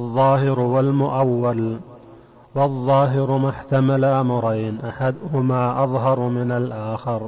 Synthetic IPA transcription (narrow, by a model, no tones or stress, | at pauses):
ʔɑðˤːɑːhɪɾʊwalmʊʔawːal | wɑðˤːɑːɦɪɾʊmʊħt̪amalamʊɾˤɑjnʔaħad̪ʊhʊmaːʔɑðˤɦɑɾˤmɪnalʔaːxɪɾ